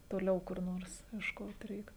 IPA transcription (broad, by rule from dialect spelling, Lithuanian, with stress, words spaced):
toːˈlʲɛʊ kʊr ˈnoːrs iɛʃˈkoːt ˈrʲɛɪk